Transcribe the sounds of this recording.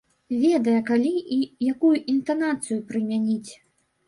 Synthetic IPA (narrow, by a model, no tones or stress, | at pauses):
vʲɛd̪ɐjɐkalʲiijakujuʔint̪anat̪sɨjupɾɨmʲanʲit͡sʲ